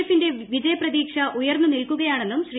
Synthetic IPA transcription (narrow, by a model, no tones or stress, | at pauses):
efinde̞ʋid͡ʑɐjɐprɐðiːkʂɐʔujɐrnːunilkuɣɐjaːɳe̞nːumɕriː